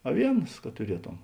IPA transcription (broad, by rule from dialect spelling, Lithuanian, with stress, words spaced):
ɐˈʋʲiɛnɐs kɐ tʊˈrʲiɛtoːm